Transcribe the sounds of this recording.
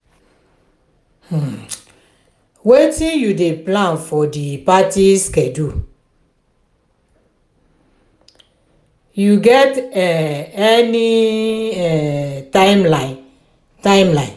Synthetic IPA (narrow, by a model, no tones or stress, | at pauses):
wetijudeplãnfɔdipatiskɛ̃du | juɡɛtɛɛni | ɛtaɪmla | tãɪ̃mlãɪ̃n